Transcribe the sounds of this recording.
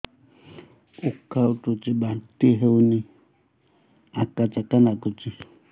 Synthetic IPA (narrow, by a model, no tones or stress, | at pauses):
ukautut͡ʃiɓat̪iɦeunĩ | akat͡ʃakanakut͡ʃi